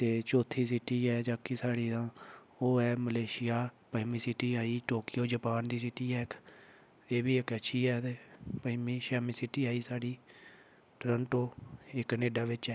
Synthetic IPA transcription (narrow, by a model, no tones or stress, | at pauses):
t̪eːt͡ʃoːt̪ʰːiːsiʈiːɛːd͡ʒaːkisaːɽiːd̪ãː | oːɛːməleːʃɪjaːpəɪmiːsiʈiːaːiːʈoːkɪjoːd͡ʒəpaːnd̪iːsiːʈiːɛːɪkʰ | eːbiːɪkətːʃʰiːɛːt̪eːpəmiːʃɛːmiːsiːʈiːaːiːsaːɽiː | ʈɾəɳʈoːɪkneːɖaːʋɪt͡ʃɛː